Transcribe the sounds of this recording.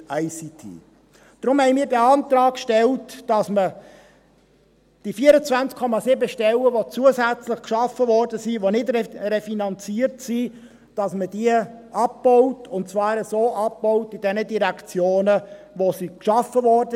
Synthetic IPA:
æɪsitʰḭː | d̥ɾʊmhɛɪmiːɾdæɑnt̪ɾɑːkʃtɛltd̥ɑsmə | d̥ifiəɾət͡sʋvænt͡skʰɔmɑsɪbəʃtɛlːəʋot͡suəzæt͡slɪχkʃɑfːəvɔrdəsiʋonɪdɾerefinɑnt͡siəɾtsi | d̥ɑsməd̥iəʔɑpbɔʊtʰʊntt͡svɑːɾəsoːʔɑpːɔʊtid̥ɛnədiɾækt͡sjoːnə | ʋosikʃɑfːəʋɔɾdə

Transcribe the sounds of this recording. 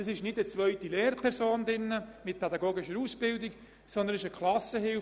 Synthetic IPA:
ɑsɪʃnɪdət͡svœʏtileːɾpʰɛɾsoːndɪnːəmɪt̚pʰɛdɑɡoːɡɪʃəɾusb̥ɪldɪk | sɔnd̪ənɪʃəkʰlɑsəhɪl

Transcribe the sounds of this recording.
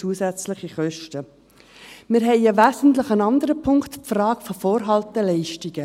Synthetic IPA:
uəsæt͡slɪχiχœʃtə | mɪɾɦɛɪɑʋæːzən̩tləχənɑnd̪əɾəpʰʊŋkt̪frɑːkfofɔːɾɦɑlt̪ɛlɛɪʃtiɡ̥ə

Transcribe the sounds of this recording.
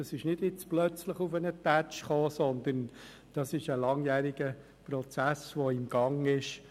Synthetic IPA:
ɑsɪʃnɪd̥ɪt͡splœt͡sləχʊfənətæt͡ʃχoːsɔnd̪ən | d̥ɑsɪʃəlɑŋjæːɾiɡ̥ə | pɾɔt͡sæsʋoɪmɡ̥ɑŋɪʃ

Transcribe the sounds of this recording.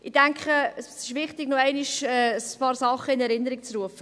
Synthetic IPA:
ɪd̥ɛŋkχəəsɪʃʋɪχtɪɡnoɛɪnɪʃɛːəspɑːɾsɑχəɪnɛɾɪnːəɾɪk̚t͡sruəfə

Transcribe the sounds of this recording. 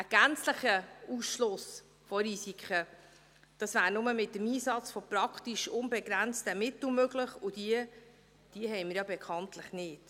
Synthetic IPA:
əɡ̥ænt͡sləχəuːsʃlʊs | fɔɾisikʰə | d̥ɑsvæːɾnʊməmɪt̚ːəmiːsɑt͡sfɔpɾɑkʰtiʃʊnbɛɡɾænt͡stəmɪt̪l̩møɡlɪχʊd̥iə | d̥iəɦɛɪmɪɾjɑbɛkʰɑntləχnɪːd̥

